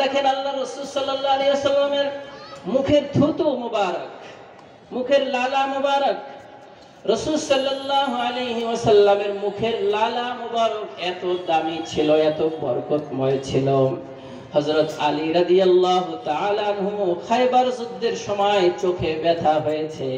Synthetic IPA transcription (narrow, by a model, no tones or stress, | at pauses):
ekʰenəlːaɾːəsuːlsʌlːəlːaleɦwəsəlːəmeɾmukʰeɾd̪ʱut̪umubaɾək | mukʰeɾlalamubaɾək | ɾəsulsʌlːəlːaːɦualeɦiwʌsəlːəmeɾmukʰeɾlalamubaɾəket̪od̪amit͡ʃʰiloet̪obə̰ɾkot̪mɔjt͡ʃʰilo | həzɾət̪aliɾəd̪ijəlːaɦut̪aalaanɦumokʰajbaɾzud̪ːeɾsɔmajt͡ʃokʰebɛt̪ʰaɦojt͡ʃʰɛ